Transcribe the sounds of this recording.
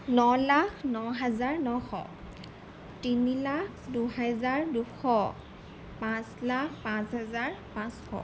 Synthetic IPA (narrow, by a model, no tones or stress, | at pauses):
nɔlakʰnɔɦɛzaɹnɔxɔ̰ | tinilakʰ | duɦɛzaɹduxʰɔ | pãslakʰpãsɦɛzaɹpãsxɔ̰